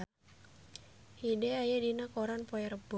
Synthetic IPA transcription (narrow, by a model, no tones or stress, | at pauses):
hidɛajadinakɔɾanpɔɛɾəbɔ